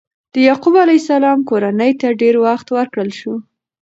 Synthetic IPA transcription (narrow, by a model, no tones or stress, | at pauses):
d̪̥əjɑqubalajsalɑmkoɾanəjt̪aɖeɾwaxt̪wəɾkɽəlʃu